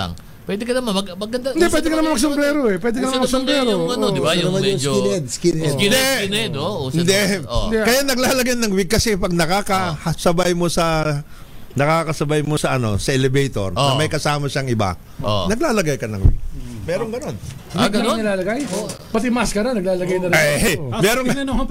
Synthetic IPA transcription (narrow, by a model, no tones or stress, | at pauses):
a̰ŋ | pwɛd̪ɪkɐnɐmmɐɡɐnd̪aɪnd̪ɛwɛːd̪ɪkɐnɐmanɐsompɾɛːɾoʔɛpwɛːd̪ɪkɐnɐmanɐŋsompɾɛːɾoɐɪjɐmanoɛd̪̚skid̪ɛɛoɪnd̪ɛod̪ɛkɐjanɐɡ̚laːlɐɡajnɐŋwɪɡ̚kːɐsɛpɐɡ̚nɐkaːkɐɐsɐbajmo̞sɐ | nɐkaːkɐsɐbajmo̞sɐʔɐno̞̰sɐʔɛlɛbɛjt̪o̞̰ɾnɐmɐjkɐsaːmɐʃaŋɪba̰ | onɐɡlaːlɐɡajkɐnɐŋwɪ̰ɡ̚mɛːɾoŋɡɐno̞n | nɐɡlɐɡɐŋɪlaːlɐɡajpɐt̪ɪmaskɐɾanɐɡ̚laːlɐɡajnɐɾajmɛːɾoŋɐn